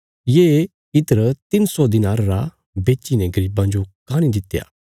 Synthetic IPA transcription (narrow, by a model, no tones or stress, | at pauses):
jeː | ɪt̪əɾt̪ɪnsɔd̪ɪnaːɾɾa | beːt͡ʃinɛɡɐɾiːbãːnd͡ʒokaːñĩd̪ɪt̪ːja̰ː